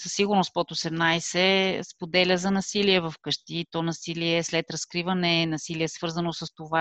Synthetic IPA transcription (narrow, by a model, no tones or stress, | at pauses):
səsːiɡʊɾnospɔt̪osɛmnajsɛspod̪ɛlʲəzɐnɐsiliɛvɐfkɤʃt̪iːt̪ɔnɐsiliɛslɛt̪ɾɐskɾivənɛnɐsiliɛsvɤɾzənosəst̪ova